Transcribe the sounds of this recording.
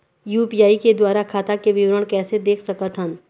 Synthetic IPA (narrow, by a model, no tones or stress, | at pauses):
juːpijaːiked̪waːɾakʰaːt̪akeʋɪʋɾəɽ̃kɛːsed̪eːkʰsɐkət̪ɦə̃n